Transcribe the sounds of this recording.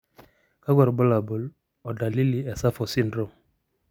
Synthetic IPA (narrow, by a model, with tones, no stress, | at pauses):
ka˦ɡɔ˨ɾbɔ˦la˨bu˨l | ɔ˨da˨li˦li˨ɛ˨sa˦fɔ˨si˦ndɾo˦˨m